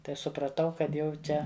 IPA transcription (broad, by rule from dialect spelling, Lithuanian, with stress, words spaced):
tɐɪ sʊprɐˈtɐʊ kɐt ˈjɛʊ ˈt͡ʃʲɛ